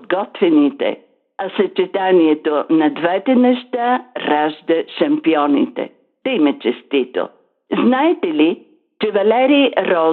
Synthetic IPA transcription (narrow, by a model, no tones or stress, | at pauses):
d̪ɡɔt̪vɛnit̪ɛ̰ | ɐsɐt͡ʃɛt̪aniɛt̪onɐd̪vɛt̪ɛnɛʃt̪aɾaʒd̪əʃɐmpiɔnḭt̪ɛ̰ | t̪ɛimɐt͡ʃɛst̪it̪o̰ | znaɛt̪ɛli | t͡ʃɛvɐlɛɾiɾɔ